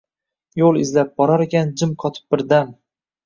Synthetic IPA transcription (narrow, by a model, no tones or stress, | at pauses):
jolˠɪzlap̚bɒɾaɾekʲand͡ʒɪmqʰɒt̪ʰɪ̥p̚bɪɾd̪am